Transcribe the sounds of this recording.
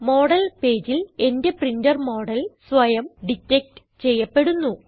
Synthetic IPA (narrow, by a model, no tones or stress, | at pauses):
mo̞ːɽɐlpe̞ːd͡ʑile̞nde̞prindɐrmo̞ːɽɐlsʋɐjɐmɖitːek̚ʈɨ̥ | t͡ɕe̞jːɐpːe̞ɽunːu